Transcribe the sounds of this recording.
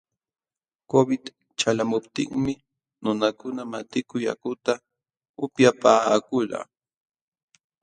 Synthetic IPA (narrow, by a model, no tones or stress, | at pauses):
kobɪt̪ | t͡ʃalamʊpt̪ɪ̰ŋmɪ | nʊnakʊnamat̪ɪkʊja̰kʊt̪a | ʊpjapaːkʊla̰ː